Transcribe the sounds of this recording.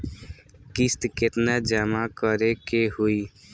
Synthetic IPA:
kist̪ket̪nad͡ʒamakəɾekehui

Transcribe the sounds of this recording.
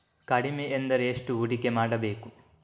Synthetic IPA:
kɐɽimeːnd̪ɐɾeːʂʈuuɽikemaːɽɐbeːku

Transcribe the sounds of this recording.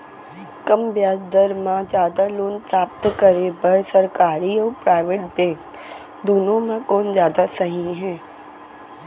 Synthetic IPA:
kɐmbjaːd͡ʒd̪əɾmãd͡ʒjaːd̪aloːnpɾaːp̚t̪kəɾebɐɾsɐɾkaːɾiɔːɾpɾaːɪʋeːʈbɛ̃ːŋk | d̪oːnõmẽkɔːnd͡ʒjaːd̪asɐɦĩɦɛ̃ː

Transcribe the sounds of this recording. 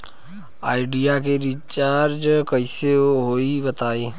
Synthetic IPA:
aːɪɖijakeɾit͡ʃaːɾd͡ʒkəiseɦoːibɐt̪aːeː

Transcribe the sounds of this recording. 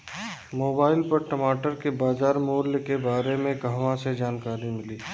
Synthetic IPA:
moːbaːɪlpɐɾʈɐmaːʈəɾkebaːzaːɾmoːɾljkebaːɾemẽɡəɦʋãsed͡ʒaːnkaːɾimɪliː

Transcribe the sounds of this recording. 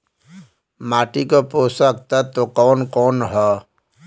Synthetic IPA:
maːʈikopoːsək̚t̪at̪okɔːnkɔːnɦɛː

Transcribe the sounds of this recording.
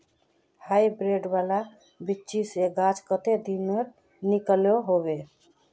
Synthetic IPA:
hajbɾeɖbala | bitːt͡ʃiseɡat͡ʃkət̪ed̪inmeɾ | nikəljoɦoβe

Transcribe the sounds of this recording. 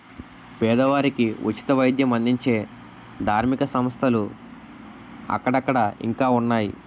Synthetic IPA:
pɛːd̪ɐʋaːɾikiʔut͡ʃi̥t̪ɐʋɐjd̪ʱjɐmɐnd̪iɲt͡ʃe̞ː | d̪ʱaːɾmikɐsɐmɐst̪ʰɐlu | ɐ̰kːɐɽɐkːɐɽɐḭŋkaːunːaːjḭ

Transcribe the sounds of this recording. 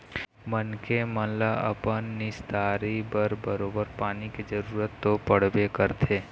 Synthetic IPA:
mənkemə̃nlaə̰pənːɪsd̪aːɾibəɾbəɾoːbəɾpaːnikid͡ʒəɾuːɾət̪ːopəɽ̤bekəɾt̪ʰeː

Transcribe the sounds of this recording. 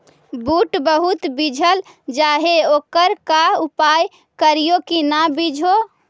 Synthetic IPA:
buʈbəɦut̪bid͡ʒʱəl | d͡ʒaɦeokəɾkaupaj | kəɾijokinabid͡ʒʱo

